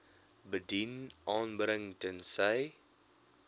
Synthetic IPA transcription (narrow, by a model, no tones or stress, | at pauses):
bədinʔɑːnbɾəŋtənsəj